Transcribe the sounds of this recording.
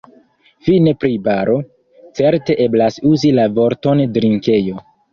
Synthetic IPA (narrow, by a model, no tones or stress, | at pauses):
fine̞pɾibaɾʔo̞ | t͡se̞ɾte̞ʔe̞blasuzilavo̞ɾto̞ndɾiŋke̞jo̞